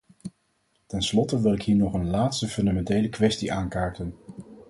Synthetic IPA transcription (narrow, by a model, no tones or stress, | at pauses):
tɛnslɔtəʋɪlˠɪkɦiːɹnɔχənlaːtstəfɵndamɛntejləkʋɛstiʔaːŋkaːɹtən